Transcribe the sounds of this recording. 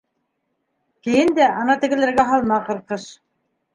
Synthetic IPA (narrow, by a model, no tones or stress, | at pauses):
kɘ̆jɘnd̪æʔɑnɑt̪ɘ̆ɡɘ̆lɘ̆ɾɡæɦɑlˠmɑqɤ̆ɾqɤʃ